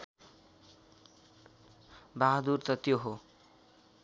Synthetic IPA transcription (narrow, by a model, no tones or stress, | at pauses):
baɦd̪urt̪ʌt̪joɦo